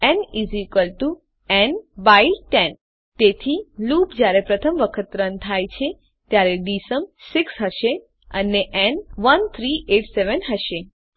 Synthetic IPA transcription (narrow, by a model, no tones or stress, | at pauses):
ɛnizikəlʈu | ɛnbailʈɛn | t̪et̪ʰilupd͡ʒjaɾepɾət̪ʰəmʋəkʰət̪ɾənt̪ʰajt͡ʃʰe | t̪jaɾeɖisəmsɪksɦəʃe | ə̰neʔɛnʋənt̪ʰɾiʔeʈseʋənɦəʃe